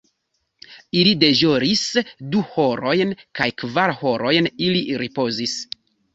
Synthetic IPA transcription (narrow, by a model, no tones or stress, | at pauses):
ilide̞ʒoɾisduho̞ɾo̞jnkajkvaɾho̞ɾo̞jniliɾipo̞zis